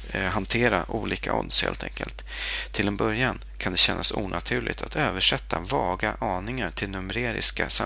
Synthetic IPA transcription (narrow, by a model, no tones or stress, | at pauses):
ɦant̪ʰeːɾaʔuːliːka̰ɔ̰nshḛːlt̪ʰɛŋkə̰lt̪ʰː | ɪlɛnbœɾjan | kʰand̪ɛɕɛnːʔasuːnʔat̪ʰʉ̟ːɭʔɪ̰ɡt̪ʰat̪ʰøːvəʂɛt̪ʰːavɑːɡaʔɑːnɪŋaʈʰɪlnɵmɛɾeːɾɪ̰ska̰sa